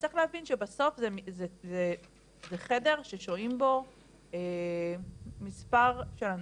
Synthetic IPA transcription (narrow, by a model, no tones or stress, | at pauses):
t͡si̥χlehavinʃebaso̞fzemizeze | zeχede̞ʁʃeʃoimbo̞ | e | mispaʁʃelan